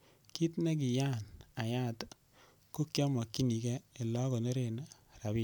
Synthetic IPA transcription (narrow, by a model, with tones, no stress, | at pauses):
ki˦tne˦k̬i˨ja˦˨na˨ja˦˨t | ko˦kjɔ˦mɔ˨kːi˦ni˨kɛ˦e˨lɔ˦ko˨ne˦ɾe˨na˦ | ra˨bi˦